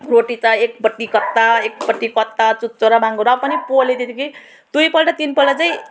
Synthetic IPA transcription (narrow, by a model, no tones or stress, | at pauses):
roʈit͡saek̚pʌʈːikʌt̪ːaek̚pʌʈːikʌt̪ːat͡sut̪̚t͡soɾabaŋɡoɾʌpʌnipoled̪id̪iki | d̪ujpʌlʈat̪inpʌlɖat͡saĩ